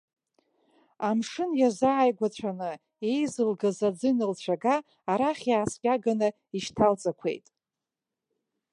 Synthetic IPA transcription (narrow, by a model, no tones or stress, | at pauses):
amʂɨnjazaːjɡʷat͡ɕʷʰanɨ | e̞jzɨlɡazad͡zɨnɨlt͡ɕʷʰaɡaː | ɾaχʲjaːskʲʼaɡanɨ | iʃtʰalt͡sʼakʷʰe̞̰jtʼ